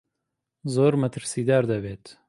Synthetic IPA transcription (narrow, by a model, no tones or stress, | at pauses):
zoːɾmɐt̪ʰɨɾsiːd̪aːɾd̪ɐveːt̪